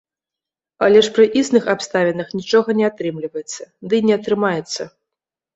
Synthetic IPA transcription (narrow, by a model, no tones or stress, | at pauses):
ɐ̰lʲɛʂpɾɨʔisnɨxapst̪avʲɛnɐxnʲit͡ʂɔɣɐnʲɛat̪ɾɨmlʲivɐjɛt̪sːɐd̪ɨnʲɛɐt̪ɾɨmajɛt̪sːɐ